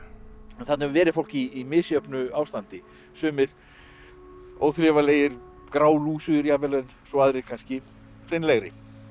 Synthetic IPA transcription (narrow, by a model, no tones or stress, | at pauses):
ɛnθat̪nhɛvʏvɛːɾɪfowl̥ciːmɪðsjœpnʏaːwst̪ant̪ɪ | sœːmɪɾ̥ | o̰ːwθlɪvaleːjɪɾ̥ | kɾaːwluːsʏɪɾjavɛlɛnsɔaðɾɪkʰanscɪ | r̥ɪnlɛɣɾɪ